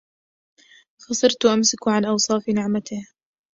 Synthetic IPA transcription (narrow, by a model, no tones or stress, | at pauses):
xɑsˤɨɾt̪ʔamsɪkʕanʔɑwsˤɑːfnɪʕmat̪ɪh